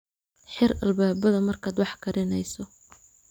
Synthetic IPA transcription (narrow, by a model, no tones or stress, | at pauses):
ħɪrɐ̰lbaːbɐðɐmɐrkʰaːd̪wɑħkʰɐɾɪnɛjsɔ